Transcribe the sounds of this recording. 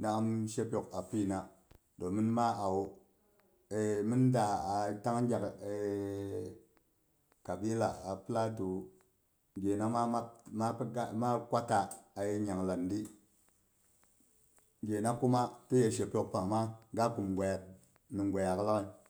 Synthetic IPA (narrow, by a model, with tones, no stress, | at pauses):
na˨a˦mʃe˦pʲo˨ka˨pi˦˨na˨ | do˨mi˦nma˦ʔa˨wo˨ | e˨mi˦nda˨a˨ta˦ŋ˦d͡ʒʲa˨ke˨ | ka˨bi˦la̰˨a˨pi˦la˦tu˨ | ɡe˨na˦ma˦a˦ma˦ma˦kʷa˦taː˨je˨ɲa˨ŋla˨ndi˦ | ɡʲe˨na˦ku˦ma˦ti˦je˨ʃ̬e˨pʲo˨k̚pa˨ŋ˨ma˦ɡa˦ku˨mɡʷa˨ja˨t̚ | ni˨ŋɡʷa˨ja˨kla˦ŋi˨